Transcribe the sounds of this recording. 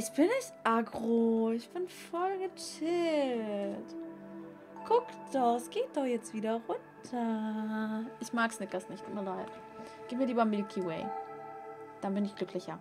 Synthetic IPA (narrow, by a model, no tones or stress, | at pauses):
ʔɪçb̥ɪnɪçtʔaɡʁoɪçb̥ɪnfɔlɡət͡ʃɪ | t | ɡ̥ʊkd̥ɔχsɡ̥eːt̚d̥ɔχjɛt͡stv̥iːɾɐʁʊntʰɐ | ʔɪçmaːksnɪt̚ɡ̥asnɪçtʰuːtmiːɐlaɪt | ɡ̥iːp̚miɐɾiːbambɪlkʰiwɛ̰ɪ | d̥anbɪnɪçɡ̥lʏkʰlɪçɐ